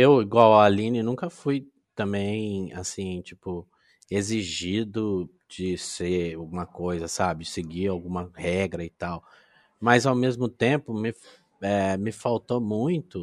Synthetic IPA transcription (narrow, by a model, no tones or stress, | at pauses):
ewiɡwawɐːlĩnɪnũkɐfuj | t̪ɐ̃mbẽj̃a̰sĩt͡ʃipʊ | eziʒid̪ʊ | d͡ʒɪseɾawɡũmɐkojzɐsabɪsɪɡiɾawɡũmɐhɛɡɾɐɪt̪aw | mɐzawmezmʊt̪ẽpʊmɪ | ɛmɪfawt̪omũj̃t̪ʊ